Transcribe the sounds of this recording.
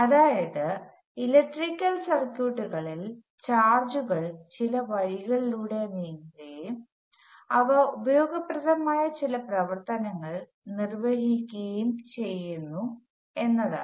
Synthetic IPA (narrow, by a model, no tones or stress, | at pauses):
ɐðaːjɐðɨ | ilɐk̚ʈrikʲːɐlsɐrkuːʈːuɣɐɭil | t͡ɕaːrd͡ʑuɣɐɭt͡ɕilɐʋɐɻiɣɐɭiluːɽe̞niɾejum | ɐʋɐubɐjo̞ːɡɐprɐðɐmaːjɐt͡ɕilɐprɐʋɐrt̪ɐnɐŋːɐɭ | nirʋɐɦikʲːejumt͡ɕe̞jːunːu | e̞nːɐða̰